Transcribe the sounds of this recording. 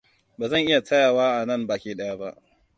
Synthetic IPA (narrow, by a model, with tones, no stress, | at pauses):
baː˨zɐ˦˨ŋʔɪ˦ja˨tɐ˦jaː˨waː˦ʔa˨nɐ˦˨mbaː˨kʲeː˨ɗɐ˦ja˦ba˦ʔ